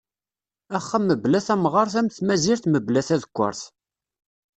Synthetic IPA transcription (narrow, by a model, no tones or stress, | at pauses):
æχːəmːəblæθæmʁɑɾˤθæmθmæziɾθməblæθæðəkʷːə̰ɾˤθ